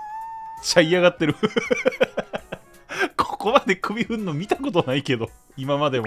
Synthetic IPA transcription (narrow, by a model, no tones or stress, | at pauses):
et͡ɕːaiaɣat̪ːe̞ɾɯ̟ | kʰo̥ko̞mad̪e̞kɯ̟bʲiɸɯ̟̃nːomʲit̪ako̞t̪onaike̞d̪o̞ | imamad̪e̞m